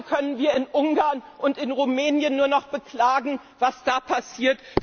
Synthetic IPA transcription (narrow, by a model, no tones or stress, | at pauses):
kʰœnənviːɐɪnʔʊŋɡaːɐnʔʊntɪnʁumɛːnjənːuːɐnɔχb̥əkl̥aːɡŋ̩ | v̥asd̥aːpʰasiːɐt